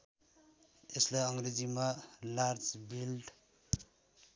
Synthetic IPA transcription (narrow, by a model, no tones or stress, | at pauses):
eslajʌŋred͡zimalard͡zbilʈ